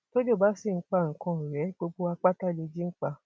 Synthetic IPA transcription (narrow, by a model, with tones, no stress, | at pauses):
to˦d͡ʒo˦˨ba˦si˦˨ŋ̩˦k͡pa˦˨ŋ̩˨kã˧˨ɾɛ˨˦ɡ͡bo˧ɡ͡bo˧a˧k͡pa˦ta˦˨le˧d͡ʒi˦k͡pa˧